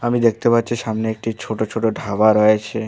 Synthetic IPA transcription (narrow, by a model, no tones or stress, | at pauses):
amid̪ek̚ʰt̪epatːɕʰiʃamneek̚ʈit͡ɕʰoʈot͡ʃʰoʈoɖʱabaɾɔjet͡ɕʰe